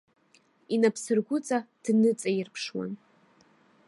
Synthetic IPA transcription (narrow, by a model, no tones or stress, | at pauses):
inapʰsɨrɡʷʊt͡sʼad̥nɨt͡sʼajɪrpʰʂwa̰n